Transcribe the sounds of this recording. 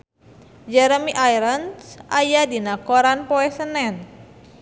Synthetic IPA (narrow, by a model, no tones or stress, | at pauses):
d͡ʒɛɾəmiʔajɾənsʔajadinakoɾanpoɛsənɛn